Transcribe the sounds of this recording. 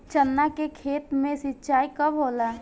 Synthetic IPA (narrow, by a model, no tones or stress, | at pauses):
t͡ʃənːakekʰeːt̪mẽsɪtːt͡ʃaːikɐbɦoːlaː